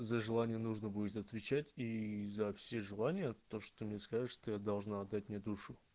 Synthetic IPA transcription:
zəʐɨlˠanʲɪjənuʐnəbudʲɪt̪ɐt̪vʲɪt͡ɕætʲizɐfsʲe̞ʐɨlˠanʲɪjət̪o̞ʂt̪omnʲe̞skaʐɨt̪ʂt̪ojad̪ɐlˠʐnaɐd̪ːatʲmnʲed̪uʂʊ

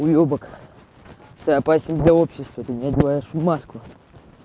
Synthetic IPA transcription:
ʊjobək | ɛt̪əɐpasʲɪnd̪lʲɐopɕːɪst̪vəɛt̪əmʲnʲadʲɪlˠajɪʂmaskʊ

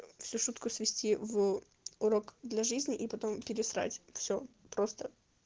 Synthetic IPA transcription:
fsʲuʂut̪kʊsvʲɪsʲtʲiv | ʊɾo̞kd̪lʲɐʐɨzʲnʲɪʔipɐt̪o̞mpʲɪɾʲɪsɾa̰tʲfsʲɵ | pɾo̞st̪ə

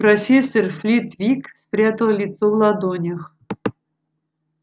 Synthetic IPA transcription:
pɾɐfʲesːərflʲit̪vʲikspɾʲat̪əlˠlʲɪt̪sovlˠad̪onʲəx

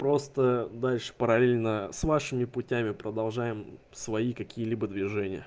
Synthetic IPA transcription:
pɾo̞st̪əd̪alʲʂɨ̥pəɾɐlʲelʲnəsvaʂɨmʲɪpʊtʲæmʲɪpɾəd̪ɐlˠʐajɪm | svɐikɐkʲijəlʲibəd̪vʲɪʐɛnʲɪjə̰

